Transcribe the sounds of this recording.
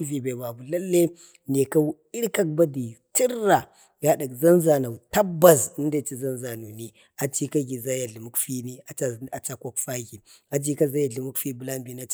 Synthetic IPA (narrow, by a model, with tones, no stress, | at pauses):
vi˨be˨ba˨bu˨lɐ˦lːe˦ | ne˨ka˦w | i˦ɾka˦k̚ba˦di˨ti˦ɾːa˨ | ɡa˨ɗa˨kzɐ˦nza˨na˨wta˦bːa˨si˦nda˨t͡ʃi˦za˦nza˨nu˨ni˨ | a˨t͡ʃi˦ka˦ɡi˨za˦ja˨ɮi˨mu˦kfi˦ni˦a˨t͡ʃa˨a˨t͡ʃa˦ko˦kfa˦ɣi˨a˨d͡ʒi˦ka˦za˦ja˨ɮi˨mu˦kfi˦bu˨la˦mbi˦na˦t͡ʃ